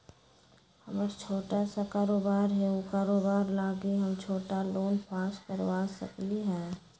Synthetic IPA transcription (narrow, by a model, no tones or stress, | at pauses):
həbəɾt͡ʃʰoːʈasakaːɾoːbaːɾɦɛokaːɾoːbaːɾlaːɡiɦəmt͡ʃʰoːʈaloːnpʰaːskəɾwaːsə̰kliɦɛː